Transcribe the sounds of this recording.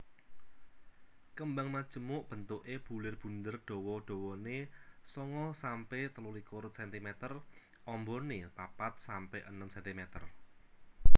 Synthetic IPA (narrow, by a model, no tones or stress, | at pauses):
kəmbaŋmad̥ʒ̥ə̤mʊʔb̥ə̤nt̪ʊʔeb̥ṳlɪrb̥ṳnd̪ərɖ̥ɔ̤wɔɖ̥ɔ̤wɔnesɔŋɔsampet̪əlulikoɾt̪sɛnt̪imɛt̪ər | ʔɔmbɔnepapat̪̚sampɛʔənəmsɛnt̪imɛt̪ər